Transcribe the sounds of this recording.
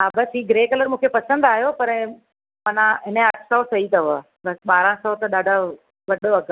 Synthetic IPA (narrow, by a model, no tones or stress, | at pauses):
aːbɐsɦiːɡɾeːkɐləɾmũːkʰepɐsə̃nd̪aːɦijopɐɾ | mɐnãɦɪnəɐʈʰsɔːsɐɦit̪ɐɦʊa | bɐsɓaːɾãsɔːt̪ɐɗaːɖʱa | ʋɐɗoɐk